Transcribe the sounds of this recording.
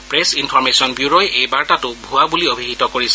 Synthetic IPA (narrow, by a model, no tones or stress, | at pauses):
pɹesinpʰɔɹmesɔnbjuɹojejbaɹtatʊbʱuabuliobʱiɦitɔkoɹisɛ